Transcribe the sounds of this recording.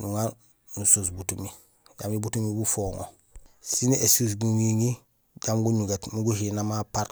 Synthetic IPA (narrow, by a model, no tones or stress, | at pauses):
nuŋan | nusus̬butumi | ja̰mibutumibufoŋo̰ | siniesus̬ɡuŋiŋi | ɟamɡuɲuɡatnuɡuhinamapaɾ